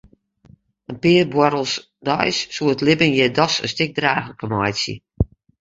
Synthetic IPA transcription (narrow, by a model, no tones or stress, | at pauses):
ənpɪərbwɔɾəlˠs | dɔjsːuətlɪbənjɛdɔsə̰nstɪk̚draːxləkəmajsjə̰